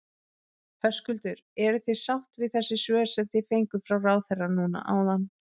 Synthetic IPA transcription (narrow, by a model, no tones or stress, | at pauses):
hœskʏlt̪ʏɾɛɾʏθejsawht̪vɪðθɛsːɪsvœːsɛmθɪfejŋkʏfɾawraːwθerːanuːna̰ʔaːwðanː